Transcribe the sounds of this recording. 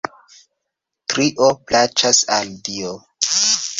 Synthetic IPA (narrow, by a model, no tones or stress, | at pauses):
tɾiʔoplat͡ʃasaldio